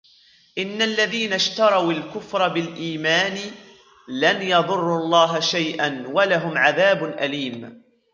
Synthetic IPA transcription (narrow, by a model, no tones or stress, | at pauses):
ʔɪnːalːaðiːnaʃt̪ɑɾˤɑwalkʊfɾˤɑbɪlʔiːmaːnɪ | lanjɑðˤʊrˤːulˤːɑːɦaʃajʔanwalaɦʊmʕaðaːbʊnʔaliːm